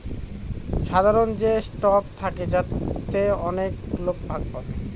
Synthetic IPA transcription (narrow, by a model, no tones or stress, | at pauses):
ʃad̪ʱaɾond͡ʑesʈɔkt̪ʰaked͡ʑat̪ːeɔneklok̚bʱaɡ̚pɔɾe